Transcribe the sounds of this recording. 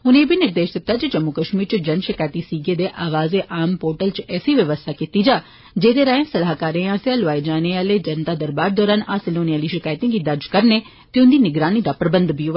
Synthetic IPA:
ʊnẽːbʱiːnɪɾd̪eːʃd̪ɪt̪ːaːt͡ʃəd͡ʒəmːʊkəʃmiːɾt͡ʃəd͡ʒənʃɪkaːjt̪iːsiːɡeːd̪eːʔaːʋaːzeːʔaːmpoːɾʈəlt͡ʃɛːsiːʋjəʋəst̪ʰaːkit̪iːd͡ʒaː | d͡ʒeːd̪eːɾaːẽːsəlaːkaːɾẽãːsejaːloaːed͡ʒaːneaːleːd͡ʒənt̪aːd̪əɾbaːɾd̪ɔːɾaːnaːsɪloːniaːliːʃɪkaːjt̪ĩɡiːd̪əɾd͡ʒkəɾneː | t̪eːʊnd̪iːnɪɡɾaːniːd̪aːpɾəbə̃nd̪bio

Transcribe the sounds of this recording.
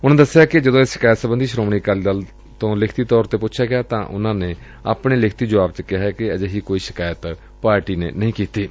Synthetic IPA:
ʊnãːd̪əsːeaːkɪd͡ʒəd̪õːɪsʃɪ̥kaːjət̪səbənd̪iːʃɾoːmɳiːkaːld̪əl | t̪õːlɪkʰt̪iːt̪ɔːɾt̪eːpʊtːʃʰaːɡɪjaːt̪ã̰ːʔʊ̰nãːneː | a̰ːpɳeːlɪkʰt̪iːd͡ʒʊaːbt͡ʃəkɪɦɛːkɪəd͡ʒeɦiːkoːiːʃɪ̥kaːjət̪ | paːɾʈiːnḛːnəɦĩːkiːt̪iː

